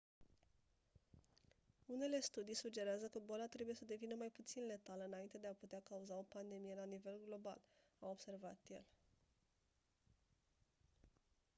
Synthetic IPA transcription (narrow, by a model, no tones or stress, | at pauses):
une̞le̞st̪ud̪ijsud͡ʒe̞ɾeazəkəbalat̪ɾe̞buje̞səd̪e̞vinəmajput̪sinle̞t̪aləɨnaint̪e̞d̪eaput̪eakauzao̞pand̪e̞mije̞lanive̞lɡlo̞ba̰l | awo̞bse̞rva̰t̪je̞̰l